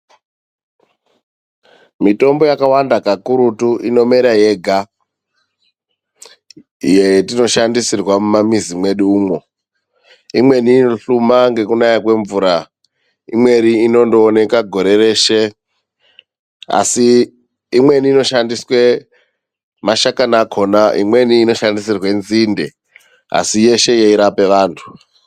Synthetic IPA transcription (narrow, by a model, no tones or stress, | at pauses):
mito̞mbo̞jakawandakakuɾutuʔino̞meɾaje̞ɡʱa | ijetino̞ʃandisirwamumamizimwe̞ɗuuːmo̞ | imwe̞niːnoɬumaŋɡe̞kunajakwe̞ɱvuːɾa | ḭmwe̞ɾiːno̞ndoːne̞kaɡʱo̞ɾe̞re̞ʃe | a̰si | imwe̞niːno̞ʃandiswe | maʃakanakʰo̞naʔḭmwe̞niːno̞ʃandisirwenzinde̞ | a̰sije̞ʃe̞jeiɾape̞ʋaːntʰu̥